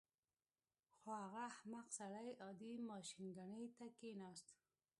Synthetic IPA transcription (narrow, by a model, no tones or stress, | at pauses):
xoaɣahmaqsaɽajɑd̪imɑʃinɡaɳəjt̪akenɑst̪